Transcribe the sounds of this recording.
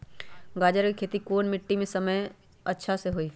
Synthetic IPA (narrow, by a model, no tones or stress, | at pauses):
ɡaːd͡ʒəɾkikʰeːt̪ikoːnmɪʈːimẽsɐməj | ɐtːʃʰaseɦoiː